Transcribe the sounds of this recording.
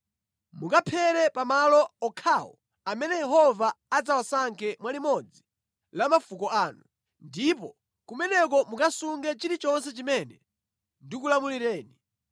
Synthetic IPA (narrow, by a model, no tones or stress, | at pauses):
mukapʰɛɾɛpamalɔɔkʰaːwɔ̰ | amɛnɛjɛɦɔvaad͡zawasaŋkɛmwalimɔd͡zi | lamafukɔaːnu | ndipɔ | kumɛnɛk̬ɔmukasuŋɡɛt͡ʃiɾit͡ʃɔnsɛt͡ʃimɛnɛ | ndikulamuliɾɛːni